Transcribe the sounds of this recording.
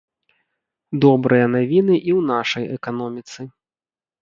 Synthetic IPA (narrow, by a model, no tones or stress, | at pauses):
d̪ɔbɾɨjɐnavʲinɨʔiwnaʂɐjɛkan̪ɔmʲit̪sɨ